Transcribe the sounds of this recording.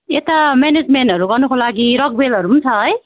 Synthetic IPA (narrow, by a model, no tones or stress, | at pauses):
et̪amened͡zmenʈʌɾuɡʌrnukolaɡiɾʌk̚belɦʌɾumunt͡sʰʌɦʌj